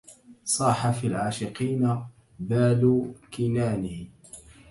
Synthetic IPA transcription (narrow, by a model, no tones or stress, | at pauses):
sˤɑːħafiːlʕaːʃɪqiːna | baːlʊkɪnaːnɪh